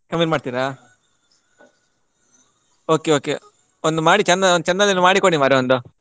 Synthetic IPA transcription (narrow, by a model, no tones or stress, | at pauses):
kɐmiʈmaːɽt̪iːɾa | oːkeoːke | ond̪umaːɽit͡ʃɐnːɐond̪ut͡ʃɐnːalinmaːɽikoɽimaːɾeond̪u